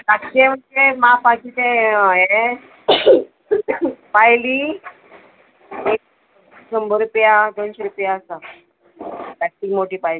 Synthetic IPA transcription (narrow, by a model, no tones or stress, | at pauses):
saẽm̤əɳd͡zemapakit̪ee | pajli | ek̚ | səmbəɾupjad̪onɕɔɾupjaəsa | baʈ̪ːiːkmoʈiːpajli